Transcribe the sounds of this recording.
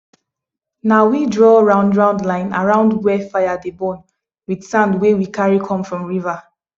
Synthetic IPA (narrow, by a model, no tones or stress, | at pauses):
nawidɹɔɹãʊ̃ndɹãʊ̃ndlãɪ̃na̰ɹãʊ̃ndwɛfajadebɔ̃n | wid̥sãndwewikʰaɹikʰɔ̃mfɹɔ̃mɹiva